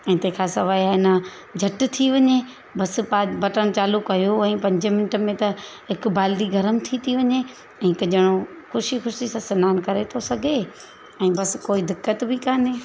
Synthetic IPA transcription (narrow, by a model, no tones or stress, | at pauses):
ɛ̃ːt̪ẽɦkʰaːsɐʋaːijaɪnə | d͡ʑʱɐʈt̪ʰiʋɐɲe | bɐspaːbɐʈəɽ̃ɪ̆t͡ɕaːlukɐjoɛ̃ːpɐ̃ɲd͡ʑmɪnʈəmẽt̪ɐɦɪkbaːld̪iɡʱɐɾəmt̪ʰit̪ʰiʋɐɲe | ɛ̃ːkɐʄɐɽ̃o | xʊʃixʊʃisãsɪnaːnkɐɾet̪ʰosɐɡʱe | ɛ̃ːbɐskoːid̪ɪkːət̪bʱikaːneː